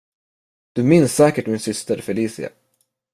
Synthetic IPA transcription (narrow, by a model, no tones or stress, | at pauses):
d̪̥ɵmɪnsːɛːkəʈmɪnsʏst̪əɾfœɭiːsɪ̰a̰